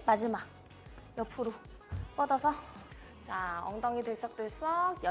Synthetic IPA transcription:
mad͡ʑimak̚ | jʌpʰuɾo | p͈ʌdʌsʰʌ | t͡ɕaʌ̰ŋdʌŋideɭs͈ʌk̚t͈weɭs͈ʌjʌ

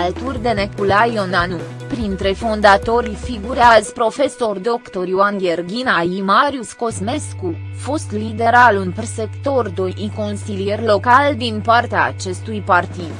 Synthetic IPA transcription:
alt̪urʲd̪e̞nekulajo̞nanu | pɾint̪ɾe̞fo̞nd̪at̪o̞ɾʲfiɡuɾeazpɾo̞fe̞so̞rd̪o̞kt̪o̞ɾjuanɡʲerɡʲinaimaɾjusko̞zme̞sku | fost̪lid̪e̞ɾalunpse̞kt̪o̞rd̪oʔiko̞nsilije̞rʲlo̞kald̪inpart̪ea̰ːt͡ʃe̞st̪ujpart̪id̪

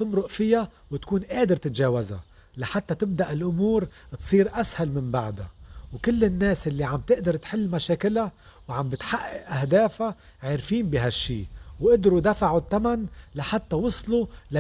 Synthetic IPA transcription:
t̪ɨmɾʊʔfɪja | wɪt̪kuːnʔeːd̪ɪɾt̪ɪt̪ʒaːwaza̰ | laħat̪ːat̪ɪb̚d̪aʔɪlʔʊmuːɾt̪sˤiːɾʔashalmɪmbaʕd̪a̰wkɪlːɪnːeːsʔɪlːiʕambt̪ɪʔd̪ɑɾˤt̪ħɪlːmaʃeːkɪla | wʕambɪt̪ħaʔːɪʔʔahd̪eːfa | ʕeːɾfiːnbiɦaʃːiːwʔɪd̪ɾud̪afaʕut̪ːamanlaħat̪ːawʊsˤlula

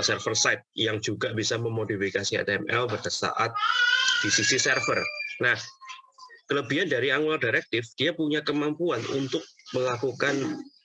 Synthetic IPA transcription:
sɛrfərsaɪt̪̚jaŋd͡ʒuɡab̥isaməmodifikasiɛ̰t̪ɛmɛ̰lpad̥asa̰ʔa̰t̪̚d̥isisisɛrfərnah | kələbiandaɾiaŋaldaɾɛk̚t̪ɪfd̥iapuɲakəmampuanṵnt̪ʊk̚məlakukan

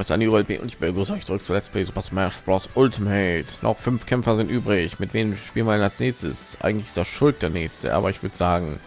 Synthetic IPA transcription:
ɪsa̰ndiʔuːbəɛlb̥ḛːʔʊ̰ntɪçb̥ɪɡəzanɪçtt͡sʊʁʏk̚t͡suɐlɛstpʰleːzobastmɛʃb̥ɔsʔʊltʰimɛtnɔ̰χfʏnfkʰɛmfɐzɪntʔyːbʁɪçmɪtv̥eːnmʃpiːlənvjɐdɛnalsnɛːçstə̰sʔa̰ɪɡŋ̩tlɪçɪ̥steːɐʃʊlt̚d̥eːɐnɛːçstə̰ʔa̰ːbɐɪçv̥ʏɐdəz̥aːɡŋ̩

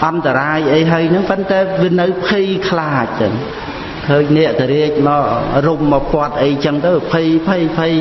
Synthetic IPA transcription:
ʔɑnt̪aɾaːjʔəjɦəəjnɨŋpənt̪aɛʋiənɨwpʰijkʰlaːc̚t͡ɕəŋ | kʰəːɲnɛ̆əʔt̪ɛɾiəc̚mɑːrumːɑpŏət̪̚ʔəjt͡ɕəŋt̪əwpʰijpʰijpʰij

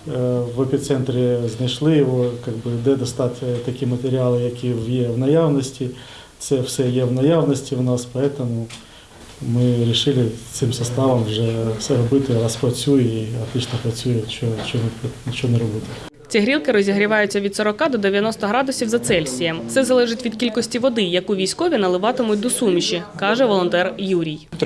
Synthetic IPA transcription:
ʋɐpʲit̪sɛnt̪ɾʲiznɐjʃlˠɪjɔʋɔkɑɡbɪd̪ɛd̪ɔst̪ɑtʲt̪ɐkʲimɐt̪eɾʲɪɑlˠɪjɐkʲiʋjɛwnɐjɑwnɔsʲtʲi | t̪sɛwsɛjɛwnɐjɑwnɔsʲtʲiwnɑspɐɛt̪ɔmʊ | mɪɾʲiʃɪlˠɪt̪sɪmsɐst̪ɑʋɐmwʒɛfsɛɾɔbɪt̪ɪɾɑspɾɐt͡sʲujɛiɐt̪lɪt͡ʃnɔpɾɐt͡sʲujɛt͡ʃɔt͡ʃɔnɛpt͡ʃɔnɛɾɔbɪt̪ɪ | t͡sʲiɦɾʲilˠkɪɾɔzʲiɦɾʲiʋɑjʊt͡sʲːɐʋʲid̪sɔɾɔkɑd̪ɔd̪eʋʲjɐnɔst̪ɐɦɾɑd̪ʊsʲiwzɐt̪sɛlʲsʲijɐmsɛzɐlˠɛʒɪtʲʋʲid̪̚kʲilʲkɔsʲtʲiʋɔd̪ɪjɐkʊʋʲijsʲkɔʋʲinɐlˠɪʋɑt̪ɪmʊt̚ʲd̪ɔsumʃikɑʒɛʋɔlˠɔnt̪ɛrjuɾʲij

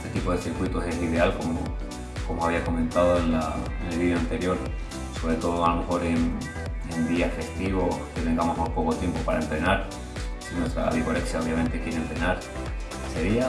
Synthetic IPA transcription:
ek̪ipo̞ðe̞siɾkwit̪ose̞siðe̞alko̞mo̰ | ko̞moaβiako̞mẽ̞nt̪að̞o̞enla̰enelβiðjoant̪e̞ɾjo̞ɾ | so̞βɾe̞t̪o̞ðoalo̞me̞xo̞ɾe̞n | end̪iafe̞st̪iβo̞ket̪e̞ŋɡamoɦmujpo̞ko̞t̪je̞mpo̞paɾaemt̪ɾe̞naɾ | sinwet̪ɾa̰βikoleksjao̞β̞jame̞nt̪e̞kje̞ɾemt̪ɾe̞naɾ | se̞ɾia

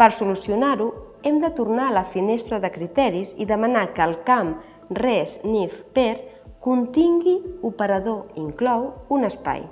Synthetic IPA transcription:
pəɾsulusiunaɾu | ɛmd̪ət̪uɾnaələfinest̪ɾəðəkɾit̪ɛɾiziðəmənakəlˠkam | rɛznifpɛɾ | kunt̪iŋɡiupəɾəðoiŋklɔwunəspa̰j

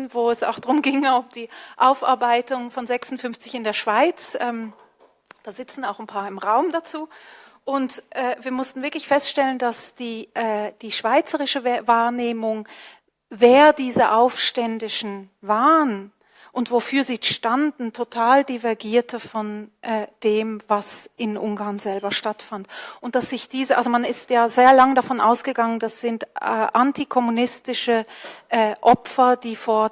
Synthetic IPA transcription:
voːɛsa̰ʊxd̥ʁʊmɡɪŋʊmd̥iːʔaʊfʔa̰ɐbaɪtʊŋfɔnzɛksʊn̩fʏnft͡sɪçɪndeːɐʃv̥aɪt͡sʔɛːm | d̥aːzɪt͡sn̩aʊxnpʰaːɐɪmʁaʊmdat͡suː | ʔʊntʔɛːviːɐmʊstn̩vɪɐklɪçfɛstʃtɛləndasd̥iːʔɛːd̥iːʃv̥aɪt͡səʁɪʃəvaːɐneːmʊŋ | veːɐdiːzəʔaʊfʃtɛndɪʃn̩vaːʁən | ʔʊntv̥ofyːɐziːʃtandn̩tʰotʰaːldivɛɐɡiːɐtʰəfɔnʔɛːd̥eːmvasʔɪnʔʊŋɡaːɐnzɛlbɐʃtatfantʔʊnt̚d̥asz̥ɪçd̥iːzəʔalzomanɪstjaːzeːɐlaŋədafɔnʔaʊsɡ̥əɡaŋənd̥asz̥ɪntɛʔantikʰɔmunɪstɪʃəʔɛːʔɔpfɐd̥iːfoːɐ

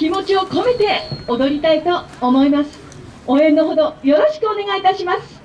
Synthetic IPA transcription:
kʲimo̞t͡ɕio̞ko̞me̞t̪e̞od̪o̞ɾʲit̪ait̪o̞ːmo̞imasɨ̥ | oẽ̞nːoɦo̞d̪o̞jo̞ɾo̞ɕi̥kɯ̟one̞ɡait̪aɕimasɨ̥

